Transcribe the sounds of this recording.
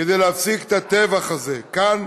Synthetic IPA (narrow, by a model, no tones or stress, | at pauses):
ed̪ejleafsikt̪at̪evaχaze̞kan